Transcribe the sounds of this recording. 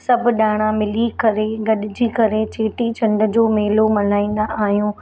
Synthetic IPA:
sɐbʱɗaːɽ̃amɪlikɐɾeɡɐɗɪd͡ʑikɐɾet͡ɕeːʈit͡ɕʰɐ̃ɳɖ̆d͡ʑoːmeːlomɐn̤aːĩːnd̪aʔaːɦijũː

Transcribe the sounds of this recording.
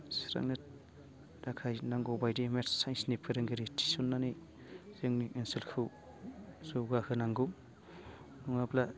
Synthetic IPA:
sɾa̰ŋnet̚ | ɾakʰajnaŋɡɔwbajdimetsajnsnipʰɯɾeŋɡeɾitʰi̥sɔnːani | zeŋniʔinselkʰɯw | zowɡahʰɯnaŋɡɯ | nuŋapla

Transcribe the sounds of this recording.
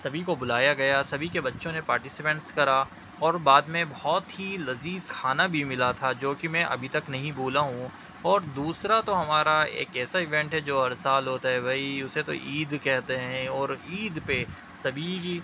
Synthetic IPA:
sɐbʱikobʊlaːjaɡɐjasɐbʱikebɐtːʃõnepaːɾʈɪsɪpɛ̃ɳʈskɐɾa | ɔːɾbaːd̪mẽbɔɦɔːt̪ɦilɐziːzkʰaːnabʱimɪlat̪ʰad͡ʒoːkimɛ̃ʔɐ̰bʱit̪ɐknɐɦĩbʱuːlaɦũ | ɔːɾd̪uːsɾat̪oɦɐmaːɾaḛːkɛːsaɪʋɛ̃ɳʈɦɛd͡ʒoːɦɐɾsaːlɦoːt̪aɦɛbʱɐiʊset̪o̰ʔiːd̪kɛɦt̪eɦɛ̃ɔːɾiːd̪pe | sɐbʱii

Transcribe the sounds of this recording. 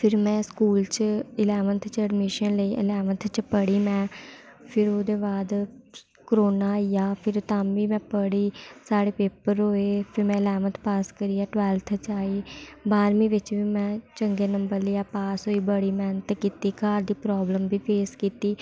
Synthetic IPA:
pʰɪɾmɛ̃ːskuːlt͡ʃɪlɛːʋənt̪ʰt͡ʃəɖmɪʃənləiːʔə̰lɛːʋənt̪ʰt͡ʃpəɽiːmɛ̃ː | pʰɪɾoːd̪eːbaːd̪ | kɾoːnaːijaːpʰɪɾt̪ãːmʋiːmɛ̃ːpəɽiːsaːɽeːpeːpəɾɦoːeːpʰɪɾmɛ̃ːəlɛːmət̪ʰpaːskəɾiːaːʈʋɛːlt̪ʰt͡ʃaːiːbaːɾmĩːʋɪt͡ʃʋiːmɛ̃ːt͡ʃəŋɡeːnəmbəɾlːaːpaːsɦoːiːbəɽiːmɛːnət̪ːkiːt̪iːkaːɾd̪iːpɾɔːbləmbiːpʰeːskiːt̪iː

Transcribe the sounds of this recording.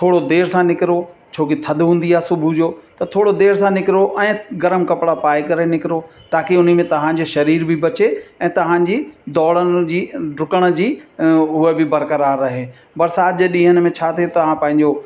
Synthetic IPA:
t̪ʰoːɽod̪eːɾsãnɪkɪɾot͡ɕʰoːkit̪ʰɐd̪ʱɦũːn̆d̪iaːɦsʊbʱʊd͡ʑoːt̪ɐt̪ʰoːɽod̪eːɾsãnɪkɪɾoʔɛ̃ːɡɐɾəmkɐpɽapaːekɐɾenɪkɪɾo | t̪aːkiʊn̤ə̆mẽt̪ɐʋ̤ãd͡ʑoʃɐɾiːɾbʱɪbɐt͡ɕeɛ̃ːt̪ɐʋ̤ãːd͡ʑiːd̪ɔːlənd͡ʑiːɖʊkəɽ̃ə̆d͡ʑiːɦʊəbɪbɐɾkəɾaːɾːɐɦeː | bɐɾsaːʄɗĩːɦəɽ̃mẽt͡ɕʰaːt̪ʰijot̪ɐɦãpɐ̃ɦɪ̃ɲd͡ʑo

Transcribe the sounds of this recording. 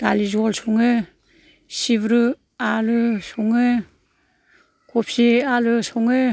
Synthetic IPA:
d̥alizɔlsɔŋɯ | sibɾɯ | alɯsɔŋɯ | kɔpʰsialɯsɔŋɯ

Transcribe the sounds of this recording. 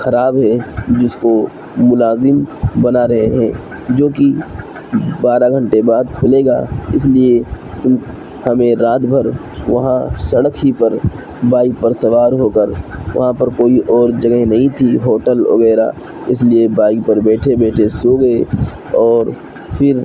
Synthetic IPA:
xɐɾaːbɦɛd͡ʒɪsko | mʊlaːzɪmbɐnaɾɐɦeɦɛ̃ː | d͡ʒoːki | baːɾaɡʱɐ̃ɳʈebaːd̪kʰʊleːɡa̰ːɪs̬lie | t̪ʊm | hɐmẽɾaːt̪bʱəɾ | ʋɐɦãsɐɽkɦipɐɾ | baːɪk̚pəɾsɐʋaːɾɦoːkəɾʋɐ̰ɦãpɐɾkoːiʔɔːɾd͡ʒɐɡɦenɐɦĩt̪ʰiɦoːʈəlɐ̰ɣɛːɾa̰ | ɪsliebaːɪk̚pɐɾbɛːʈʰebɛːʈʰesoɡɐe | ɔːɾ | pʰɪɾ

